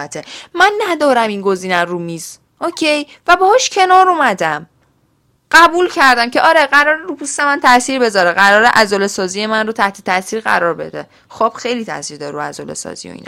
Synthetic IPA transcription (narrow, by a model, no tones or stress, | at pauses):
æt̪ʰemænːæd̪ɒːɾæminɡo̞ziːnærumiːz̥ | ʔocʰej | væbɒhɒʃcʰe̞nɒːɾomæd̪æm | ɢ̥æbuːlcʰæɾd̪æmcʰeʔɒːɾeɢæɾɒːɾeɾupʰust̪emænt̪ʰæsiːɾbe̞zɒːɾeɢæɾɒːɾeʔæzolesɒːzijemænrot̪ʰæht̪ʰet̪ʰæsiːɾɢæ̰ɾɒːɾbe̞̰d̪ḛ | xob̥xejliːt̪ʰæ̰siːɾd̪ɒɾɾuæ̰zo̰lḛsɒ̰ːzḭjo̰ḭn̰